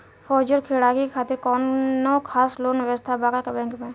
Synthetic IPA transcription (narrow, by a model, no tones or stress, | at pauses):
fʰɔːd͡ʒəɾkʰeːɽaːɡikekʰaːt̪ɪɾkɔːnnːokʰaːsloːnʋəst̪ʰabaːɡakebɛ̃ːŋkmẽ